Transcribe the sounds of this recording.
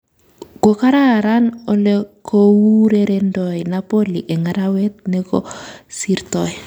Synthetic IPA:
ɡ̥okaɾaɾanolekowuɾeɾendɔjnapoliʔeŋaɾawet̪̚nɛkɔsiɾtɔj

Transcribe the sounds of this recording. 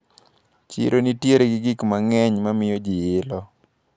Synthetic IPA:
t͡ʃḭɾʔonitjeɾeɡɪɡɪkmaŋɛɲmamɪjɔd͡ʒɪɪlɔ

